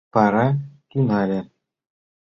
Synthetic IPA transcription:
pɑɾɑk̪ʲynɑlʲɘ̆

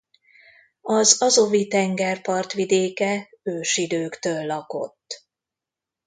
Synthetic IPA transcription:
ɒzɒzo̞vit̪ɛŋɡɛrpɒrt̪ʋid̪eːkɛ | øːʃid̪øːkt̪øːlːɒko̞̰t̪ː

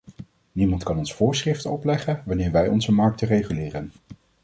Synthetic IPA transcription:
nimɑntkɑnɔnsfʊːɹsrɪftəɔplɛχənʋɑnɪːɹʋɛjɔ̰nzəmɑɹk̚tərejχylɪːrən

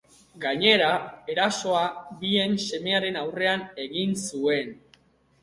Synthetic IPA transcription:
ɡaɲe̞ɾae̞ɾaso̞abie̞nse̞me̞aɾe̞nawre̞ane̞ɣinsue̞n

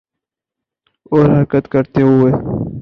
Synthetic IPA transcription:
oːɾɦɐɾkət̪kɐɾt̪eɦueː

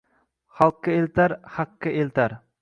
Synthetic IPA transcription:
χɑlˠqːɨelt̪aɾhɑqːɨelt̪ʰaɾ

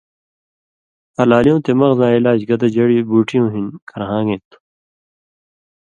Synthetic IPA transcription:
ɐlaːlijõːt̪emɐɣzãːilaːd͡ʑɡɐd̪ɐd͡ʑɐɽibuːʈʰijõːɦinkʰɐɾɦãːɡẽːt̪u̥

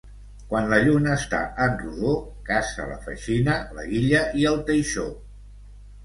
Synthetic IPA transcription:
kwanləʎunəːst̪a̰ʔənruðokasə̰lə̰fə̰ʃinələ̰ɣiʎəʔiəlˠt̪əjʃo

